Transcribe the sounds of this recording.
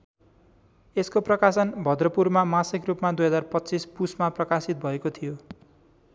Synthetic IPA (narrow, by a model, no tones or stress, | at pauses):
eskoprʌkasʌnbʱʌd̪rʌpurmamasʌkrupmad̪ujɦʌd͡zarpʌtːt͡sispusmaprʌkasit̪̚bʱʌekot̪ʰijo